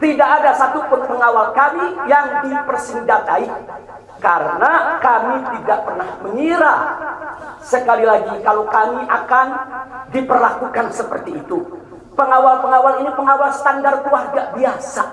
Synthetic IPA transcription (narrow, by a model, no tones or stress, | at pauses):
t̪idaʔadasat̪upʊnpəŋawalkamijaŋdipərsindat̪ai | kaɾənakamit̪idaʔpərnahməɲiɾa | səkalilaɡikalokamiʔakandipərlakukansəpərt̪iːt̪u | pəŋawalpəŋawalinipəŋawalsə̥t̪andarkuarɡaʔbiasa